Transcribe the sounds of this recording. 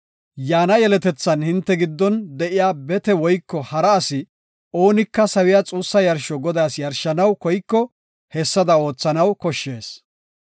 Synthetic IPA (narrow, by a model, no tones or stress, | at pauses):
jaːnɐjɛlɛt̪ɛt͡sːɐnhɪnt̪ːɛɡɪd̪ːɔnd̪ɛʔɪjaːbɛt̪ɛwɔjkːɔhɐɾɐːsɪ | o̞ːnɪkːɐsɐwɪjat͡sʼuːsːɐjɐɾʃɔɡɔd̪aːsjɐɾʃɐnɐwkɔjkːɔ | hɛsːɐd̪ɐo̞ːt͡sːɐnɐwkɔʃːe̞ːs